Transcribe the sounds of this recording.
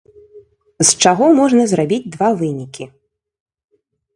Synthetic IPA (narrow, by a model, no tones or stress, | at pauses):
st͡ʂaɣɔmɔʐnɐzɾabʲid͡zʲd̪vavɨnʲikʲi